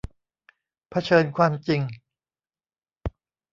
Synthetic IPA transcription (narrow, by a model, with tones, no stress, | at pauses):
pʰa˧t͡ɕʰɤː˧nkʰwaː˧mt͡ɕi˧ŋ